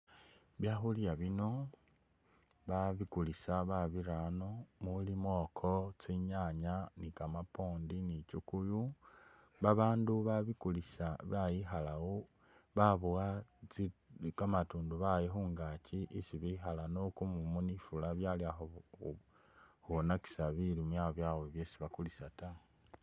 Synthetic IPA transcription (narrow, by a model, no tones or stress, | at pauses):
βjaxuljaβino̞ | βaβikulisaβaβiɾano̞mulimokʰot͡siɲaɲanikamapoːndinit͡ʃukuju | βaβaːnduβaβikulisaβajixalao | βaβuwat͡sikamatuːnduβajexuːŋɡaciʔisiβixalanokumumunifulaβjaliaxo | huonaki̥saβilimwaβjawoβjesiβakulisata